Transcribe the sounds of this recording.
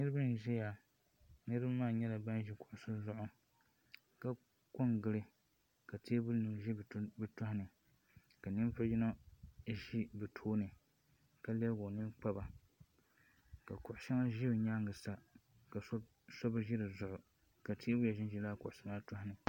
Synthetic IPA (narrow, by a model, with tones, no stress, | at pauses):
nɨ˦ɾɨ˦bɨ˦n˨ʒɛ˦ja˨ | nɨ˦ɾɨ˦bmːaː˦˨ɲɛ˦la˨ba˦nʒi˦kʊ˨ʔʊ˨sʊ˦zʊ˦ʔʊ˨ | ka˦ | ko˦ŋɡɨ˦ɾɨ˦ | ka˨tʰe˦bʊ˦nɨ˨ʒi˦˨bɨ˦tʊ˦hʊ˦nɨ˨ | ka˨nɨ˦m˦pa˦d͡ʒi˦no˦˨ʒi˦bɨ˨tʰoː˦nɨ˨ | ka˦lɛ˦bɡo˨nɨ˦m˦k͡pa˦ba˨ | ka˨kʊ˨ʔʊ˨ʃa˦ma˦ʒi˦bɲa˦ŋɡɨ˨sa˦ | ka˨s | sɔ˦bɨ˦ʒi˦ɾɨ˨zʊ˨˦ʔʊ˨ | ka˨tʰeː˦bʊ˦ja˨ʒɪ˦n˦ʒi˨laː˦kʊ˨ʔʊ˨ʃɛ˦ma˦tʊ˦hʊ˦nɨ˨